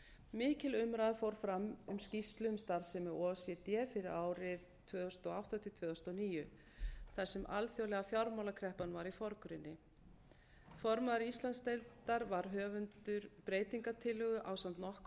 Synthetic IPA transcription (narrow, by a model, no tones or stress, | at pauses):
mɪːcɪlʏmɾaːðafowɾ̥fɾamʏmscist̪lʏʏmst̪aɾsɛmɛɔːsjɛt̪jɛːfɪɾɪɾaːwɾɪð | t̪ʰvœːðθʏst̪ɔawht̪at̪ʰɪt̪ʰvœːθʏst̪ɔniːjʏ | θaɾ̥sɛmʔa̰lθjowlɛɣafjaɾmawlakʰɾɛhpanvaɾifɔɾkʏɾɪnːɪ | fɔɾmaðaɾist̪lant̪st̪ejlt̪aɾvaɾ̥ɦœːvʏnt̪ʏɾpɾeːjt̪iŋkat̪ʰɪlʏɣʏʔaːwsant̪nɔhk